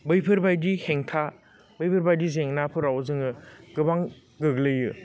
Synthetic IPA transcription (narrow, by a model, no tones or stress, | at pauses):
bɯjpʰɯɾbajdiheŋtʰa | bɯjpʰɯɾbajdizeŋnapʰɯɾawzɯŋɯɡɯbaŋ | ɡɯɡlɯjɯ